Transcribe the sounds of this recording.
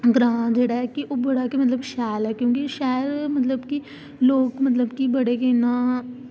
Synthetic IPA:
ɡɾãːd͡ʒeːɽaɦɛkiʔobɐɽakemɐt̪̬ləbʃɛːlɦɛkjõːkeʃaːɾmɐt̪ləbki | loːɡmɐt̪̬ləbkibɐɽekenã

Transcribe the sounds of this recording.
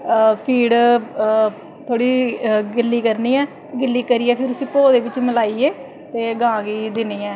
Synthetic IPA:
pʰiːɽ | t̪ʰoːɽiːɡɪlːiːkəɾniːɛː | ɡɪlːiːkəɾiːɛːpʰɪɾʊsĩːpoːd̪eːʋɪt͡ʃməlaːieː | t̪eːɡãːɡiːd̪ɪniːɛː

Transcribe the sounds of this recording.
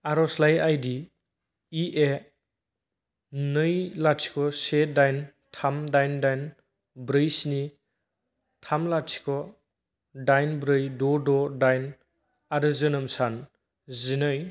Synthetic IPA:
aɾɔslajajdi | iʔe | nɯjlasʰi̥kʰɔsedajn | tʰamdajndajn | bɾɯjsini | tʰamlasʰi̥kʰɔ | dajnbɾɯjdɔdɔdajn | aɾɯzɯnɯmsan | zinɯj

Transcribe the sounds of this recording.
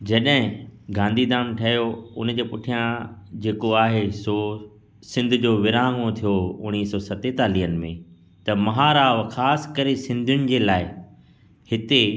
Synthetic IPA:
d͡ʑɐɗɦɪ̃ɡãːnd̪ʱid̪aːnʈʰɐjoʊnd͡ʑeːpʊʈʰijãd͡ʑeːkoaːɦeso | sɪ̃nd̪ʱʊ̆d͡ʑoːʋɪɾãːŋõt̪ʰijoʊñiːsɔːsɐt̪et̪aːliɦənɪ̆mẽ | t̪ɐmɐɦaːɾaːʋxaːsɪ̥kɐɾesɪ̃nd̪ʱjʊnɪ̆d͡ʑeːlaːɪ | hɪt̪e

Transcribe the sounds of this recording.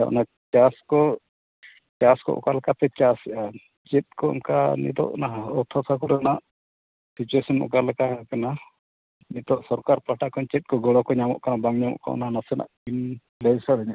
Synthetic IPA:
a̰ʔna | t͡ʃaskɔ | t͡ʃaskɔ̰ʔɔ̰kalɛkat̪ɛt͡ʃasɛʔa | t͡ʃɛt̪̚kɔḭmkanḭt̪ɔ̰ʔnaɦaɔwt̪ʰɔsakuɾanaʔ | sit͡ʃuesɔnɔ̰kalɛkakana | nit̪ɔʔsɔɾkaɾpaʈaʔkɔnt͡ʃɛt̪̚kɔɡɔɽɔkɔɲamɔ̰ʔkanabaŋɲamɔ̰ʔkɔ̰naɦanasɛna̰ʔin | lɛjsaɽaɲaʔ

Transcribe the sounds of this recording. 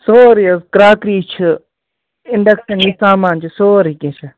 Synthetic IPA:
soːɾiɐskɾaːkɾiːt͡ʃʰɨ | ɪɳɖɐkʃɐnisaːmaːnt͡ʃʰisoːɾikẽt͡ʃʰi

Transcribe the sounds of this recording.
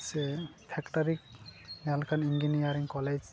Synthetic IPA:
sɛtʰɛktaɾikalkʰaninɡinijaɾiŋkɔled͡ʒ

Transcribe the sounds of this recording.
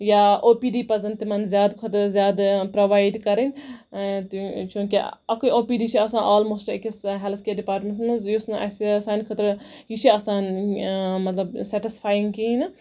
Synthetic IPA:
jaːʔoːpiːɖiːpɐzɐnt̪imɐnzʲjaːd̪kʰɐt̪ɾzjaːd̪pɾoʋaːjɖkɐɾɐnʲ | t̪t͡ʃũːkiɐkuioːpiːɖiːt͡ʃʰiɐsãːʔaːlmoːsʈekisɦɛlt̪ʰkeːɖipaːɾʈmʲẽntnɐzjusnʔɐ̰sisaːnkʰɐt̪ɾjit͡ʃʰiɐsãːn | mɐt̪lɐbsɛʈispʰaːjiŋɡkiːnɐ

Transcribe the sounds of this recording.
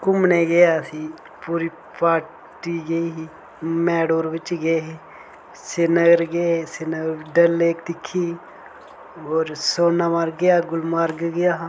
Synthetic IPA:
kʊmneːɡəjaːsiː | puːɾiː | paːɾ | ʈiːɡəiːi | mɛːɽoːɾʋɪt͡ʃɡəeɦe | senəɡəɾɡəeseːnəɡəɾɖəlːeːkd̪ɪkʰːiː | oːɾsoːnaːmaːɾɡəjaːɡʊlmaːɾɡɡəjaː

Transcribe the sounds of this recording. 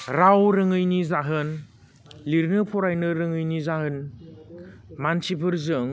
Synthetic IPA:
ɾawɾɯŋɯjnizaɦɯn | liɾnɯpʰɔɾajnɯɾɯŋɯjnizaɦɯn | mansipʰɯɾzɯŋ

